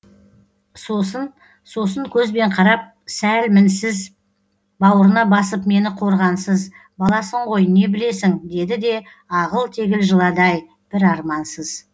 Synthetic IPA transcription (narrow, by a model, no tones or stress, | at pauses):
sosən | so̞səŋkʲʰɵzbe̞ɴqʰɑɾɑp̚ | sælmɪnsɪz | bɑwəɾənɑbɑsəpme̞nɪqʰo̞ɾʁɑnsəz | bɑlˠɑsəɴʁo̞jne̞bɪle̞sɪŋd̪e̞d̪ɪd̪e̞ | ɑʁəlˠt̪ʰe̞ɡʲɪlʒəlˠɑd̪ɑj | b̥ɪɾɑɾmɑnsəz